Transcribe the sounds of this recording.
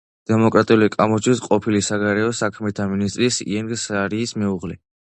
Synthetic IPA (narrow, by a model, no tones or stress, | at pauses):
d̪̥ɛmɔkʼɾat̪ʼiulikʼamɔt͡ʃʰisqʼɔpʰilisaɡaɾɛɔsakʰmɛt̪ʰaminist̪ʼɾisḭɛŋɡsaɾiːsmɛuʁlɛ